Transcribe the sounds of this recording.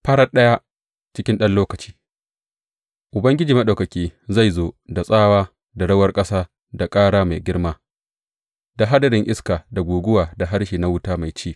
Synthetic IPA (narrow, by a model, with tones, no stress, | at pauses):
pɐ˦ɽɐ˦ɗɐ˦ja˦ | t͡ʃɪ˦kʲɪ˦nɗɐ˦nloː˦kɐ˨t͡ʃi̥ː˦ | ʔʊ˨bɐ˦ŋɡʲɪ˦d͡ʒiː˨mɐ˦ɗa˨wkɐ˨kʲiː˦za˦˨jzoː˦da˨sʼaː˦waː˦ | da˨ɽɐ˦wɐ˦rkʼɐ˦saː˦ | da˨kʼaː˦ɽaː˦ma˨jɡʲɪ˦ɽmaː˦ | da˨ɦa˦dɐ˨ɾɪ˨ŋʔɪ˦skaː˨da˨ɡʷuː˨ɡʷʊ˦waː˨da˨ɦa˦ɽʃiː˨na˦wʊ˦taː˦ma˨jt͡ʃiː˦˨